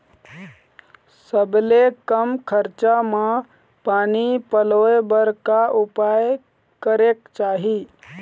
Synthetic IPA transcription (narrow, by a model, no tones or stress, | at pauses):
səblekəmkʰəɾt͡ʃama | paːnipəlojbəɾkaʔupaj | kəɾekt͡ʃaːɦi